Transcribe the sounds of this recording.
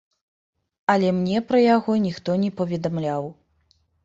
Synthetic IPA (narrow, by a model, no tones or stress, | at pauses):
ɐlʲɛmnʲɛpɾɐjaɣɔnʲixt̪ɔnʲɛpɐvʲɛd̪amlʲaw